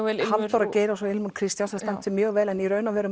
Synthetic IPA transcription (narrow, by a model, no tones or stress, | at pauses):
ɛhanɔɾaceːjɾasɔɪlmunkʰɾɪst̪jansɛst̪ɛnt̪ʰɪlmjœːɣvɛːlɛnirœɥnavɛɾʏ